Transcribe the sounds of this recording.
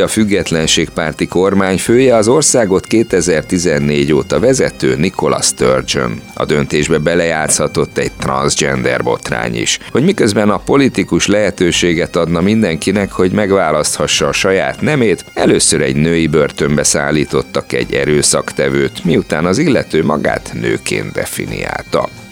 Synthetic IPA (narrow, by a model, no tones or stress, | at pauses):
ɒfyɡːɛt̪lɛnʃeːk̚paːrt̪iko̞rmaːɲføːjɛɒzo̞rsaːɡo̞t̪keːt̪ɛzɛrt̪izɛnːeːɟoːt̪ɒvɛzɛt̪øːniko̞lɒ̰st̪ørd͡ʒo̰nɒ̰d̪ø̞nt̪eːʒbɛbɛlɛjaːt̪shɒt̪o̞t̪ːɛɟ̥̚t̪rɒ̰nzd͡ʒɛ̰nd̪ɛ̰rbo̞t̪ra̰ːɲḭʃho̞ɟmikøzbɛnɒpo̞lit̪ikuʃlɛɦɛt̪øːʃeːɡɛt̪ɒd̪nɒmind̪ɛŋkinɛkho̞ɟmɛɡʋaːlɒst̪hɒʃːɒːʃɒjaːt̪nɛmeːt̪ɛløːsøɾɛɟnøːjibørt̪ø̞mbɛsa̰ːlːiːt̪o̞t̪ːɒkɛ̰ɟːɛ̰ɾøːsɒkt̪ɛvøːt̪miut̪aːnɒzilːɛt̪øːmɒɡa̰ːt̪nøːkḛːnd̪ɛ̰fḭnḭja̰ːlt̪ɒ̰